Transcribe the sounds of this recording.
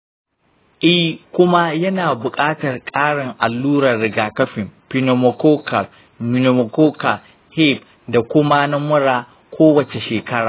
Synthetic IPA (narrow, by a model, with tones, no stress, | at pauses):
ʔi˦kʷʊ˦ma˦jɐ˦naː˨bʊ˨kʼaː˦tɐ˨rkʼaː˦ɽɪ˨ŋʔa˨lːuː˦ɾɐ˨rːɪ˨ɡaː˨kɐ˦ɸɪ˨mpi˦no˨mɔ˨koː˦ka˨l | mɪ˨no˨mo˨koː˦ka˨ | hɛ˦˨p̚ | da˨kʷʊ˦ma˦na˦mʊ˦ɽaː˨ | kʷʰoː˦wɐ˨t͡ʃe˨ʃeː˨kɐ˦ɽaː˨